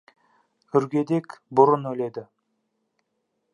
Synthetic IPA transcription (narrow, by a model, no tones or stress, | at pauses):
ʏɾɡʲe̞d̪e̞kbʊɾʊnwɵle̞d̪ɪ